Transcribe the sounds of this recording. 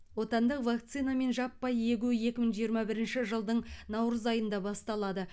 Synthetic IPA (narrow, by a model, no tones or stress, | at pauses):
wo̞t̪ɑnd̪əqvɑk̚t̪sijnɑme̞nʒɑpːɑje̞ɡʲuje̞kʲɪməɴʒijəɾmɑbɪɾɪnʃɪʒəlˠd̪əɴnɑwɾəzɑjənd̪ɑbɑst̪ɑlˠɑd̪ə